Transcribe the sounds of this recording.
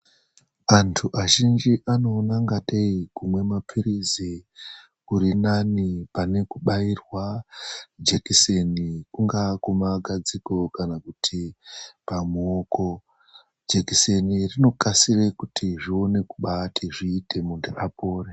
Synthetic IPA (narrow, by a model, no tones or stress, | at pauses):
antʰuʔaʒind͡ʒiʔano̞ːnaŋɡaɗeikumwe̞mapʰiɾizi | uɾinanipane̞kuɓairwa | d͡ʒekisenikuŋɡakumaɡʱad͡ziko̞kanakutʰipamuoko̞ | d͡ʒekise̞nirino̞kasirekutʰiʐio̞ne̞kuɓatʰiʐiːtʰe̞munderapoːre